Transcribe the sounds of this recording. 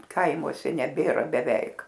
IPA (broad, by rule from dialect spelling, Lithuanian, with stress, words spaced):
ˈkɐɪmuɔsʲɛ nʲɛˈbʲeːrɐ bʲɛˈʋʲɛɪk